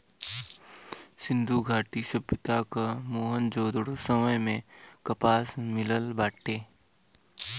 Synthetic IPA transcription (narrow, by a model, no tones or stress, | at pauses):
sɪ̃nd̪ʱuɡʱaːʈisəbjət̪akamoːɦənd͡ʒoːd̪ɽosəməjmẽkəpaːsmɪləlbaːʈːeː